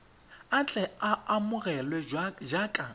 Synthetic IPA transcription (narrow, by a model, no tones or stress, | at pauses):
at͡ɬʼɛaamʊɣɛlwɛd͡ʒakʼa